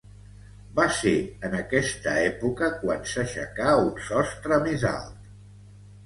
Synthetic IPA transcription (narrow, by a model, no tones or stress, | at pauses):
baseənəkɛst̪əɛpukəkwansəʃə̰kaunsɔst̪ɾəmeza̰lˠt̪̚